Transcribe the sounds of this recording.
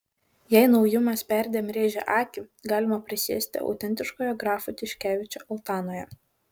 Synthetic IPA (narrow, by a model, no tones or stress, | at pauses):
jɛɪnɒʊjʊmɐspʲæˑɾʲd̪ʲeːmɾʲeːʒʲɛʔɑːkʲɪɡɑːlʲɪmɐpʲɾʲɪsʲḭːsʲt̪ʲɪ̰ʔɒ̰ʊt̪ʲɛnʲt̪ʲɪʃkoːjoɡɾɑːfʊt̪ʲɪʃʲkʲæːʋʲɪt͡ʃʲoːʔɐlˠt̪ɑːnoːjɛ